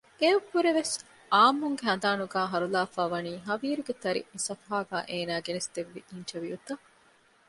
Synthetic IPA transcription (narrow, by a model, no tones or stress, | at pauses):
ebhuɾeʋes | aːmːuŋɡeɦɐnd̪aːnuɡaːɦɐɾulaːfaːʋɐniːɦɐʋiːɾuɡet̪ɐɾḭmisɐfɐɦaːɡa̰ːʔeːnaːɡenest̪eʋːiʔint͡ʃɐʋijut̪ɐ